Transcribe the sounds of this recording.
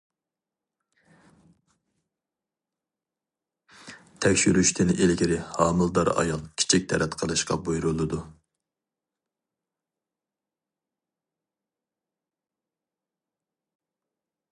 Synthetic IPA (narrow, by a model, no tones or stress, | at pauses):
t̪ʰɛkʲʃyɾyʃt̪ʰɪnɪʔelɡʲiɾɪhɑːmɨlˠd̪ɑɾɑ̰jɑlˠkʲʰi̥t͡ʃʰik̚ʲt̪ʰɛɾɛt̪qʰəlˠɨʃqɑ̰bujɾulˠɨd̪u